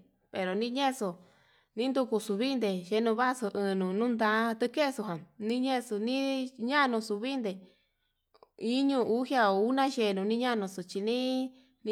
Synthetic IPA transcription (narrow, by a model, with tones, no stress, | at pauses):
pe˨ɾo˨nĩ˦ɲẽ˦˧so˧ | nĩ˦nd̪u˧ku˧su˧βi˦nd̪e˨ʃe˧˦nũ˧βa˦so˧ʔɨ̃˧nũ˨nũ˦nd̪ã˧˦˧t̪ɨ˧ke˦˧su˧ɦã˨nĩ˦ɲẽ˦˧su˧nĩ˦ɲã˦˧nũ˧su˧βi˦nd̪e˧˨ | i˦ɲũ˧˨ʔu˦hja˧u˦nã˦ʃe˧˨˧nũ˧nĩ˦ɲã˦˨nũ˧su˨t͡ʃi˧nĩ˦ | ñ